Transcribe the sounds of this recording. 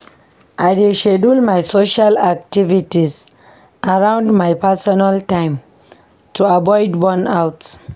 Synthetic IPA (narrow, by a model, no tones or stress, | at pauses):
ʔajdiʃedulmajsoʃalak̚tivitis | ʔaɾãʊ̃nɖmajpasɔnaltãɪ̃m | tʰuabɔɪdbɔnawts